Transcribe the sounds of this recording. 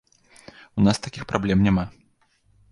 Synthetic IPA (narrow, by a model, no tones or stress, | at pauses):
unast̪akʲixpɾablʲɛmnʲama